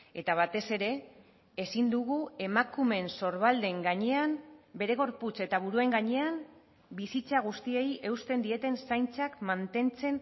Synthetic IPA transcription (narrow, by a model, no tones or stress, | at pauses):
e̞t̪aβ̞at̪e̞se̞ɾe̞ː | sind̪uɣue̞makume̞nso̞ɾβald̪e̞ŋɡaɲe̞ambe̞ɾe̞ɣ̞o̞ɾput͡se̞t̪aβ̞uɾue̞ŋɡaɲe̞am | bisit͡saɣ̞ust̪ie̞je̞wst̪e̞nd̪ie̞t̪e̞nsajnt͡sakmant̪e̞nt͡se̞n